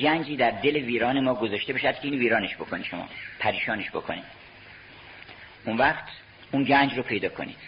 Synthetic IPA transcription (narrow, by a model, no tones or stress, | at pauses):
ɡænd͡ʒiːd̪æɾd̪e̞le̞viːɾɒːnemɒːɡozɒːʃt̪e̞beʃæd̪̥̚kʰeiːnviːɾɒːneʃbo̞kʰonid̪ʃomɒ̰ːpʰæɾiːʃɒːneʃbo̞̰kʰo̰nid̪ | unvæχt̪ʰ | unɟænd͡ʒropʰe̞jd̪ɒːkʰo̞̰nḭːd̪̥